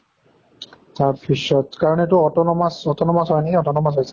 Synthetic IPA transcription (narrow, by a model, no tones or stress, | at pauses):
taɹbʰiʃɔtkaɹɔnɛtʊɔtɔnɔmasɔtɔnɔmasɦɔjnɛiɔtɔnɔmasɦojs